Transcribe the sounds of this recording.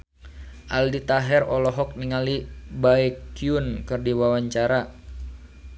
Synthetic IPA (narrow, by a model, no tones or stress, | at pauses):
ʔaldit̪aɦɛrɔlɔɦɔk̚niŋalibaɛkiunkɨrdiwawaɲt͡ʃaɾa